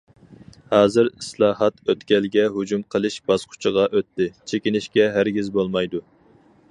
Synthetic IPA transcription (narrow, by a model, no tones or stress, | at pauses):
hɑːzɨɾislˠɑːɦɑt̪øt̪kʲɛlɡʲɛɦud͡ʒumqʰəlˠɨʃbɑz̥qʰʊ̥t͡ʃʰəʁɑʔøt̪ːɪt͡ʃʰekʲinɪʃkʲɛɦæɾɡʲizbolˠmɑjd̪u